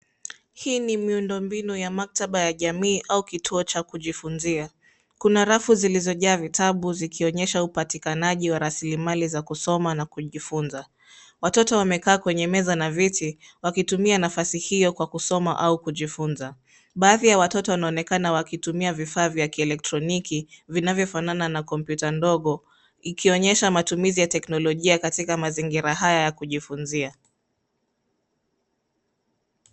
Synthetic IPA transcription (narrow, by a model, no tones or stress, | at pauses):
hiːnimiundɔmbinujamak̚taɓajaʄamiːʔaukitʰuɔt͡ʃakuʄifunzia | kunaɾafuzilizɔʄaːvitʰaɓuzikʰiɔɲɛʃaupatikanaʄiwaɾasilimalizakusɔmanakuʄifunza | watɔtɔwamɛkaːkwɛɲɛmɛzanavitiwakitumianafasihijɔkwakusɔmaʔaukuʄifunza | ɓaːðijawatɔtɔwanaɔnɛkanawakitumiavifaːvjakiɛlɛk̚tɾɔnikivinavjɔfanananakɔmpjutandɔɠɔ | ikʰiɔɲɛʃamatumizijatɛknɔlɔʄiakatikamaziŋɡiɾaɦajajakuʄifunzia